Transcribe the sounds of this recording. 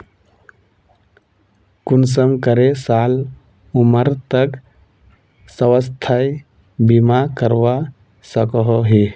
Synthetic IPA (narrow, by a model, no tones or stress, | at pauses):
kuns̬əmkəɾesal | uməɾt̪ək | səwəst̪ʰəj | bimakəɾwa | səkɦoɦi